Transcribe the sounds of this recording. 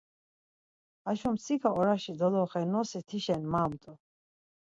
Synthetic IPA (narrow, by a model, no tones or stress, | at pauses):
aʃɔmsʰikʰaɔɾaʃid̪ɔlɔχɛnɔsit̪ʰiʃɛnmaːmt̪ʼɔ